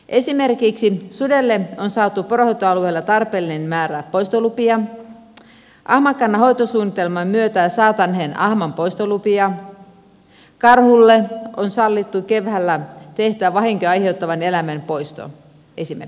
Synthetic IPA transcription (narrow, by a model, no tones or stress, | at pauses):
ʔesimerkiksisudelːeonsɑːt̪uporohojt̪ːoɑlueilːɑt̪ɑrpeːlːinenmæːɾæpoist̪olupiɑ | ʔɑhmɑkɑnːɑɦo̞jt̪osuːnːit̪elmɑmmyøt̪æːsɑːt̪ɑnɦenʔɑhmɑmpoist̪olupiɑ | kɑrhulːeonsɑlːit̪ːukeʋhælːæt̪eht̪yæʋɑɦiŋkøɑjheut̪ːɑʋɑne̞læmænpo̞jst̪o̰ | esimḛ